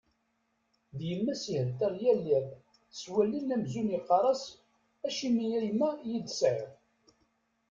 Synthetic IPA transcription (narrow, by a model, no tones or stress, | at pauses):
ðjəmːæsihəlt̪æɾˤjælːæð | swælːinːæmzunjəqːɑɾˤɑs | æʃimijæmːæjid̪sʕəð